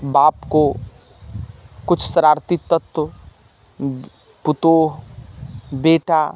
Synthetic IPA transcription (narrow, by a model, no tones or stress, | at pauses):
baːpko | kʊt͡ʃʰsɾaːɾt̪it̪ːət̪wə | pʊt̪oːɦ | beːʈa